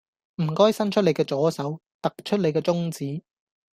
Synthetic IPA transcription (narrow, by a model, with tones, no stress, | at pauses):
m̩˨˩kɔː˥jsɐ˥nt͡ʃʰɵ˥le˨˧jkɛː˧t͡sɔː˨˥sɐ˨˥w | t̪ɐ˨k̚t͡ʃʰɵ˥t̚le˨˧jkɛː˧t͡sʊ˥ŋt͡siː˨˥